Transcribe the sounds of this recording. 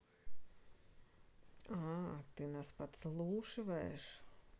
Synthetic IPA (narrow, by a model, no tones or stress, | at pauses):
at̪inaspat̪slˠuːʃivɛ̰ːʃ